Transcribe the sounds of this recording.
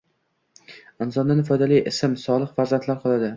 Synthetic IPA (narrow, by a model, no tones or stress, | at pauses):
ɪnzɒnd̪anɪfɒjd̪alijʔɪsɪmsɒlˠɨqfaɾzant̪ʰlaɾqʰɒlˠad̪ɪ